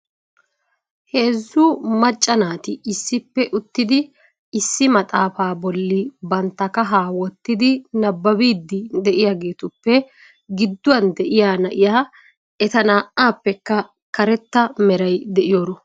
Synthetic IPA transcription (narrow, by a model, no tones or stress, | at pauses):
he̞ːzːuːmɐt͡ʃʼːɐnaːt̪ɪɪsːɪpːɛʔʊt̪ːɪd̪ɪ | ɪsːɪmɐt̪ʼaːfaːbɔlːɪbɐnt̪ːɐkɐɦaːwɔt̪ːɪd̪ɪnɐbːɐbiːd̪ːɪd̪ɛʔɪjaːɡe̞ːt̪ʊpːɛ | ɡɪd̪ːʊwɐnd̪ɛʔɪjaːnɐʔɪjaː | ɛt̪ɐnaːʔaːpːɛkːɐ | kɐɾɛt̪ːɐmɛɾɐjd̪ɛʔɪjoːɾɔ